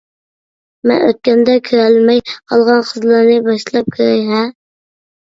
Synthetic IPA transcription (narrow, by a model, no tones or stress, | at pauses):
mɛ̰nø̰t̪̚kʲɛnd̪ɛkʲʰøɾælmɛjqʰɑlˠʁɑnqʰəzlˠɑɾnɪbɑʃlˠɑp̚kʲʰøɾɛjɦɛ